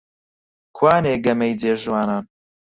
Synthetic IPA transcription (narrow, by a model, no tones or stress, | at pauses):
kʰwaːneːɡɐmɛjd͡zeːʒwaːnaːn